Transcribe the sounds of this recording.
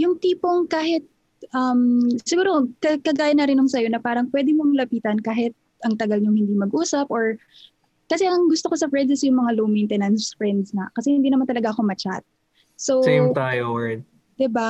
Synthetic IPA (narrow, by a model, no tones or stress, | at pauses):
jʊŋt̪iːpoŋkaːɦɪt̪̚ | ʔɐmsɪɡuːɾo̞kɐkɐɡaːjɐnɐɾɪnːʊŋsɐjo̞nɐpaːɾɐŋpwɛd̪ɪmɐmʊlɐpiːt̪ɐnkaːɦɪt̪̚ | ʔɐŋt̪ɐɡalɲoŋhɪnd̪imɐɡʔuːsɐpʔoɹ | kɐsɛʔɐŋɡʊst̪okosɐfɹɛnd̪ɐsjʊŋmɐŋalomejnt̪ɛnɐnsfɹɛnd̪sŋɐkɐsɛhɪnd̪iːnɐmant̪ɐlɐɡaʔɐko̞mɐt͡ʃa̰t̪̚ | sowsjmt̪aːjoɛd̪ | d̪̥ɪba